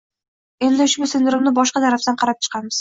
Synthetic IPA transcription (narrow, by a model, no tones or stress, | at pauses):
e̞nd̪ɪʊʃbʊsɪnd̪ɪɾɪmnɪbɒʃqɑd̪aɾaft̪anqʰɑɾap̚t͡ʃʰɨ̥qʰɑmɪz̥